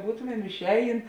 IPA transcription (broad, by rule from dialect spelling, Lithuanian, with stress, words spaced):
ˈbuːtoːmʲɛm ɪʃʲˈɛːjeːn